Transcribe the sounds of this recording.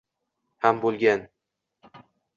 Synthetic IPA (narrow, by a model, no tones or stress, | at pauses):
hambolˠɡʲan